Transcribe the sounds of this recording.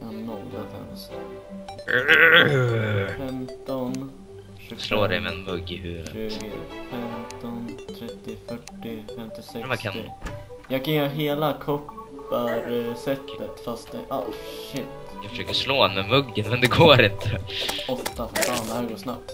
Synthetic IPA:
janɔɡat̪ʰɛ̰ns | fɛmt̪ɔn | ʉsloːd̪ɛ̰jmɛɛnmɵɡːɪhʉːɾ̰ʉ̟ːɡəfɛmt̪ɔnt̪ʰɾɛt̪ːɪfœʈːɪfɛmt̪ɪsɛmakʰaɪ̰jɑːɡkʰanɑːɦeːlakʰɔpːaɾsɛt̪ːət̪fast̪̚d̪ɛ̰ʔa̰ʃɪt̪ːjafəʂøːkəʂloːd̪ɛnmɛmɵɡːənmɛnd̪ɛɡoːɾɪnt̪ʰəɔt̪ːaffaːnd̪əhːɾɡoːʂna̰p̚t̪

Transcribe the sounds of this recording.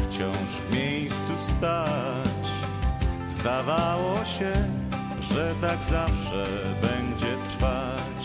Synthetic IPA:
ft͡ɕɔ̃w̃ʂvmʲejst̪sust̪a | t͡ɕ | zd̪avawɔɕɛ | ʐɛt̪aɡzafʂɛ | bɛɲd͡ʑɛt̪ɾfa | t͡ɕ

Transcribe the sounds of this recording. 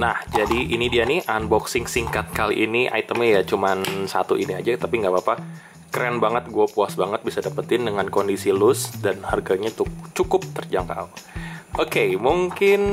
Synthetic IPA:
nahd͡ʒadiʔinidianiʔanbɔksiŋsiŋkat̪̚kalḭʔiniʔa̰it̪əmijat͡ʃumansa̰t̪uʔiniad͡ʒat̪apiŋɡabapa | kɾɛnbaŋət̪̚ɡuapuasbaŋət̪̚bisadapət̪ɪndəŋankondisilʊsdanharɡaɲatut͡ʃukʊp̚t̪ərd͡ʒaŋka̰uokemuŋkɪn

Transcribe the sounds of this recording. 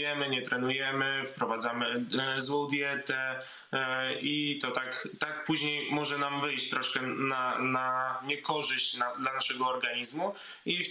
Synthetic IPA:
jɛmɘɲɛt̪ɾɛnujɛmɘfpɾɔvad̪zamɘzwɔ̃w̃d̪ʲjɛt̪ɛ | it̪ɔt̪akt̪akpuʑɲejmɔʐɛnamvɘjt͡ɕt̪ɾɔʂkɛnanaɲɛkɔʐɘɕt͡ɕnad̪lanaʂɛɡɔːɾɡaɲizmu | i

